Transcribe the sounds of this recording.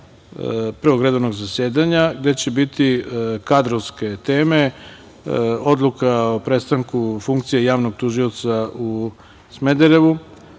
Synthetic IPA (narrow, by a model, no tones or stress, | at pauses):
pɾeoɡɾe̞d̪oʋnoɡzasjeːd̪aɲaɡd̪e̞t͡ɕe̞bit̪ikad̪ɾoʋske̞t̪e̞ːme̞ | o̞d̪lˠukaopɾet̪st̪aŋkufuŋk̚t̪sije̞jaːʋnoɡ̚t̪uʒijot̪sau | smed̪eɾe̞ʋu